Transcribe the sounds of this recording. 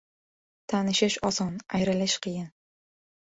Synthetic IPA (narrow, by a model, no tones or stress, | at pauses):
t̪ʰanɪʃɪʃɒsɒnajɾɪlɪʃqʰɨjɪn